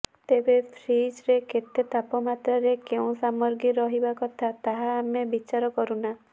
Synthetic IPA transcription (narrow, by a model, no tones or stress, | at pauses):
t̪ebepʰɾid͡ʒɾeket̪et̪apɔmat̪ɾaɾekeũsamɔɾɡiɾɔɦibakɔt̪ʰat̪aɦaːmebit͡ʃaɾɔkɔɾuna